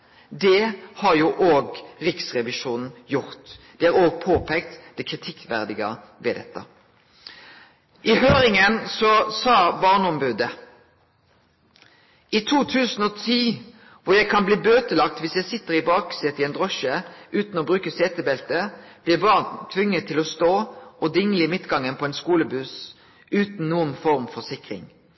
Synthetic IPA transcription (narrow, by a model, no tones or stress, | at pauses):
d̪ɛhɑʁjuːʔoːɡʁɪksʁɛʋɪʃuːnn̩jʊʁt̪d̪̥ɛæːʁoːɡ̚pʰoːpʰɛkt̪d̪̥ɛkʰʁɪt̪ʰɪkʋæ̰ʁd̪ɪɡə̰ | ʋɛd̪ɛ̰t̪ːɑ̰ | ʔɪɦøːɾɪŋənsɔsɑːbɑʁnəɔmbʉːd̪ə | it̪ʰuːt̪ʰʉːsn̩ɔːt̪ʰiː | ʋʊʁjæɪkʰɑnbliːbøːt̪əlɑkt̪ʋɪsjæɪsɪt̪ːəʁɪbɑːksɪt̪ɪɛnd̪ʁɔʃəʔʉːt̪nɔːbʁʉːkəseːt̪əbɛlt̪əb̥lɪʁbɑːʁnt̪ʰʋʏŋːət̪ʰːɪlɔst̪oːʔɔd̪ɪŋːəlɪmɪt̪ɡɑŋənpʰɔɛɪnskuːləbʉs | ʉːt̪n̩nuːənfɔʁmfɔʁsɪkʁɪ̰ŋ